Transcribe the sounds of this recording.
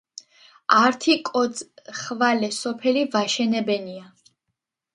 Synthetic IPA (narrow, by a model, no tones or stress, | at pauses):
aɾt̪ʰikʼɔzχvalɛsɔpʰɛlivaʃɛnɛbɛnia